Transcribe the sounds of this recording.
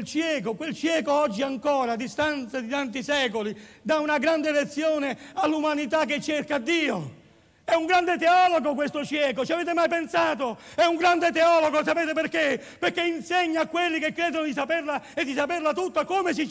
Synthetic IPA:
lt͡ʃjɛːkokwelt͡ʃjɛːkoɔd͡ʒːiaŋkɔːɾad̪ːist̪ant̪sad̪it̪ant̪isɛːkolid̪aunaɡɾand̪elet̪sːjɔːnealːumanit̪akːet͡ʃːerkad̪ːiːo | ɛuŋɡɾand̪et̪ɛɔːloɡokwest̪ot͡ʃjɛːkot͡ʃiavɛːt̪emajpensaːt̪oɛuŋɡɾand̪et̪ɛɔːloɡos̬apɛːt̪eperkeperkːeinsɛɲːaːkːwelːikekːɾɛːd̪onod̪isapɛrlaed̪ːisapɛrlat̪ut̪ːakomes̬i

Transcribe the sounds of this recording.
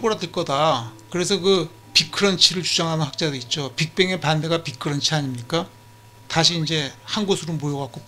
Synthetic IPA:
ɡoɾadɯɭk͈ʌdakɯɾe̞sʰʌkɯ | pikʰɯɾʌnt͡ɕʰiɾɯɭt͡ɕud͡ʑaŋɦanɯnɸak̚t͡ɕ͈adoit̚t͡ɕ͈opik̚p͈e̞ŋe̞pande̞ɡapikʰɯɾʌnt͡ɕʰiaɲimɲik͈a | taɕʰiːnd͡ʑe̞hanɡosʰɯɾomojʌɡak͈o

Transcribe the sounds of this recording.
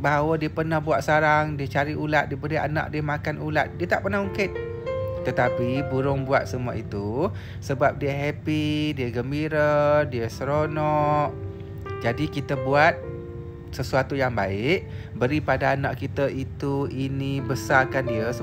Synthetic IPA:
baɦawədiəpərnahbuat̪̚saɾaŋdiət͡ʃaɾiulat̪̚diəbəɾia̰na̰ʔ̚diəmakanulat̪̚diət̪aʔpərnahuŋkɪt̪̚ | t̪ət̪apibuɾʊŋbuat̪̚səmuait̪u | səbap̚diəɦɛpidiəɡəmbiɾədiəsəɾonɔʔ | d͡ʒadikit̪əbuat̪̚ | səsuat̪ujaŋbaɪʔbəɾipadaːnaʔkit̪əʔit̪uinibəsarkandiəs

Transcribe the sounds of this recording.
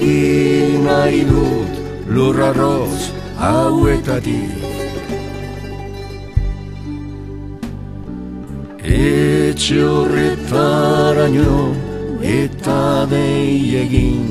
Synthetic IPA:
ɣinajðut̪ | loraros | awet̪at̪ḭk | et͡ʃeoret̪aɾaɲo | et̪aðejeɣin

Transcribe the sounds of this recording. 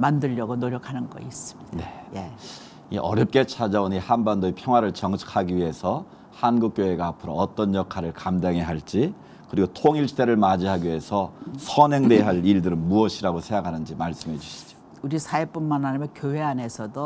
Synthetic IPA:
mandɯʎjʌɡonoɾjʌkʰanɯnɡʌ̰is͈ɯ̥mi̥nee | ḭʔʌɾjʌp̚k͈e̞t͡ɕʰad͡ʑaoɲihanbandoepʰjʌŋwaɾɯɭt͡ɕʌŋt͡ɕʰi̥kʰaɡiɥiɦe̞sʰʌ | hanɡuk͈̚joɦe̞ɡaːpʰɯɾʌːt͈ʌnjʌkʰaɾɯɭkamdaŋɦe̞ɦaɭt͡ɕ͈i | kɯɾiɡotʰoŋiɭs͈e̞ɾɯɭmad͡ʑiɦaɡiie̞sʰʌsʰʌnɦeŋdeɦaɭiɭdɯɾɯnmuʌɕʰiɾaɡosʰeŋɡakʰanɯnd͡ʑimaɭs͈ɯmɦe̞d͡ʑuɕʰi̥d͡ʑo | uɾisʰaep͈unmanɦaɲimjʌkjoɦe̞ane̞sʰʌdo

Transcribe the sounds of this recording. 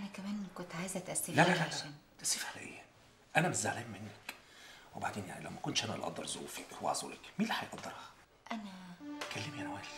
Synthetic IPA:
ʔænækæmæːnkont̪ʕaːjezæʔæt̪ʔæsːellælælææːnd̪̥æsifħælæ̰ʔḛːhæ | ʔænæmeza̰ʕlæːmːenːæk | weba̰ʕd̪eːnja̰ʕnilæ̰wmækont̪ʃʔænælʔɑ̰d̪ːɑɾˤzo̰wfækwḛʕzˤṵːlekmiːlːiħɑjeʔɑd̪ːɑɾhɑ | ʔænækælːemijʔænæwæːl

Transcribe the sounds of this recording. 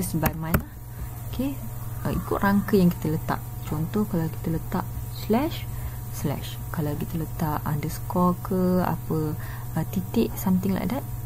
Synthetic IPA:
əsbajmãnlah | okʰe | əikʊʔ̪raŋkəjaŋki̥t̪ələt̪a̰ʔ̚ | t͡ʃɔnt̪ɔhkalawki̥t̪ələt̪aʔslɛʃ | slɛ̰ʃ | kalawkit̪ələt̪aʔa̰ndəskɔkəa̰pə | ət̪it̪ɪʔsamt̪ɪŋla̰ʔdat̪̚

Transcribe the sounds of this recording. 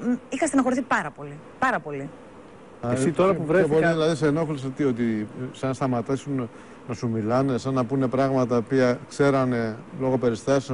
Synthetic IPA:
ixɐs̬t̪enɐxo̞ɾiθipɐɾɐpo̞li | pɐɾɐpo̞li | sit̪oɾɐpuvɾeboɾðilɐðiseno̞xlisɐt̪io̞t̪isɐnst̪ɐmɐt̪ɐsun | nɐsumilɐne̞sɐnːɐpune̞pɾɐɣmɐt̪ɐopiɐkse̞ɾɐne̞lo̞ɣo̞pe̞ɾist̪ɐsis

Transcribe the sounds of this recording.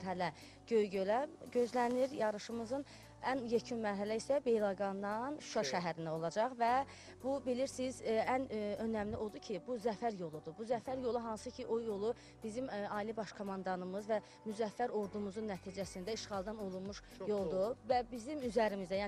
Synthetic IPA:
ɾɦælæ | ɟø̞jɟølæɟø̞zlæniɾjɑɾɯʃɯmɯzɯn | ænjæcʰynmæɾɦælæisæbe̞jlˠɑɡɑnd̪ɑnʃuɑʃæɦæɾind̪æo̞lˠɑd͡ʒɑχvæ | bubiliɾsizænø̞næmliʔo̞d̪ucʰibuzæfæɾjo̞lˠud̪ubuzæfæɾjo̞lˠuɦɑnsɯcʰiʔo̞jo̞lˠu | b̥izimɑːilibɑʃkʰo̞mɑnd̪ɑnɯmɯzvæ | myzæfːæɾo̞ɾd̪umuzunːæt̪ʰiːd͡ʒæsind̪æiʃʁɑlˠd̪ɑno̞lˠunmuʃ | jo̞lˠd̪uvæbizimyzæɾimizæjæː

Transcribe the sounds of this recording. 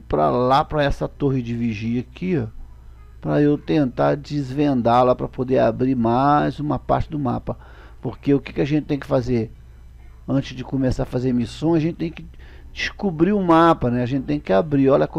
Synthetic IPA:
pɾɐ̰lapɾɐɛsɐt̪oɦɪd͡ʒɪviʒiɐkʰia | pɾɐewt̪ẽnt̪ad͡ʒɪzvẽnd̪alapɾɐpod̪eɾa̰bɾimajzũmɐpa̰ɾt͡ʃɪd̪ʊma̰pɐ | poɾkeʊke̥kɪɐʒẽt͡ʃɪt̪ẽj̃kɪ̥fazeɾ | ɐ̃t͡ʃɪzd͡ʒɪkomesafazeɾmisõj̃ɐʒẽnt͡ʃɪt̪ẽj̃kɪ | d͡ʒɪskubɾiʊmapɐnɛaʒẽnt͡ʃɪt̪ẽj̃kɪabɾiɔlɐk

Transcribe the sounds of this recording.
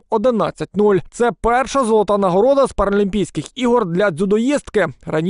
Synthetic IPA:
ɔd̪ɪnɑ̰t͡sʲːɐt̚ʲnulʲt̪sɛpɛrʃɐzɔlˠɔt̪anɐɦɔɾɔd̪ɐspɐɾɔlʲimʲpʲijsʲkɪxiɦɔrd̪lʲɐd̪zʲud̪ɔjist̪kɪrɐnʲ

